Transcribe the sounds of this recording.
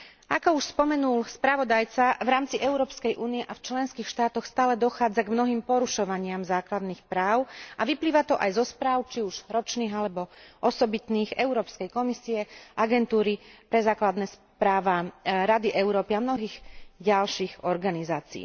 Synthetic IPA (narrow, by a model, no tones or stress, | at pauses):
akɔuʃspɔmɛnulspɾaʋɔd̪ajt͡saʋɾaːmt͡siʔɛʊɾɔːpskɛjʔuːniɛʔaft͡ʃlɛnskiːxʃt̪aːt̪ɔxst̪aːlɛd̪ɔxaːd͡zaɡmnɔɦiːmpɔɾuʃɔʋaɲɪamzaːklad̪niːxpɾaːʊʔaʋipliːʋat̪ɔʔajzɔspɾaːʊt͡ʃiuʒ̥ɾɔt͡ʃniːɣalɛbɔʔɔsɔbit̪niːɣɛʊɾɔːpskɛjkɔmisiɛʔaɡɛnt̪uːɾipɾɛzaːklad̪nɛːs | pɾaːʋaɾad̪iʔɛʊɾɔːpiamnɔɦiːɣɟalʃiːɣɔɾɡanizaːt͡sḭː